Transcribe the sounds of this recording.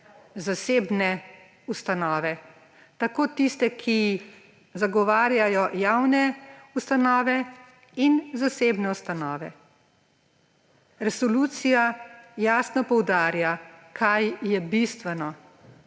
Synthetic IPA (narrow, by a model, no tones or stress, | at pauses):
zaseːbnɛ | ust̪anɔːʋɛ | t̪akoːt̪ist̪ɛkʰi | zaɡɔʋaːɾjajɔjawnɛust̪anɔːʋɛ | inzaseːbnɛust̪anɔːʋɛ | ɾɛsɔluːt̪sijajaːsnɔpɔwd̪aːɾjakʰajːɛbist̪ʋɛnɔ